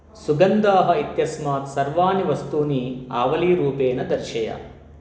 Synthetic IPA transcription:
suɡɐnd̪aːɦɐit̪jɐsmaːt̪sɐɾʋaːniʋɐst̪uːniaːʋɐliːɾuːpeːnɐd̪ɐɾʃɐjɐ̰

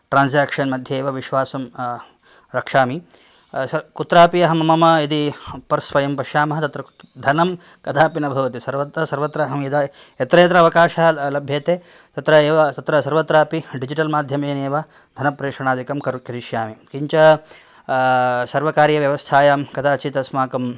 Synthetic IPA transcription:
ʈɾaːnsjaːkʂɐnmɐd̪ʱjɐːʋɐʋiʃʋaːsɐm | ɾɐkʂaːmi | kut̪ɾaːpijɐɦɐmɐmɐmɐid̪ipɐɾspɐjɐmpɐʃjaːmɐɦɐt̪ɐt̪ɾɐ | d̪ʱɐnɐm | kɐd̪ʰʱaːpinɐbʱɐʋɐt̪isɐɾʋɐt̪ɐsɐɾʋɐt̪ɾɐɦɐmjɐd̪a | et̪ɾɐjɐt̪ɾɐɐʋɐkaːʃɐlɐbʱjeːt̪eː | t̪ɐt̪ɾɐeːʋt̪ɐt̪ɾɐsɐɾʋɐt̪ɾaːpiɖid͡ʒiʈɐlmaːd̪ʱjɐmeːneːʋɐ | d̪ʱɐnɐpɾeːʂɐɳaːd̪ikɐmkɐɾkɾiʃjaːmikiɲt͡ʃɐ | sɐɾʋɐkaːɾjɐʋjɐʋɐst̪ʰaːjɐkɐd̪ʰaːt͡ʃit̪ɐsmaːkɐm

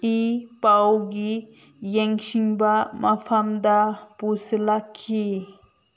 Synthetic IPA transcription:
ipawɡi | jeŋsiŋbamʔapʰamd̪apuslakʰːi

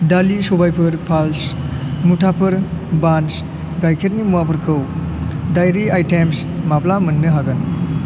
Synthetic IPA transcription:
dalisobajpʰɯɾpʰalsmutʰapʰɯɾbans | ɡajkʰeɾnimuapʰɯɾkʰɯw | dajɾiajtems | maplamɐnːɯɦaɡɐn

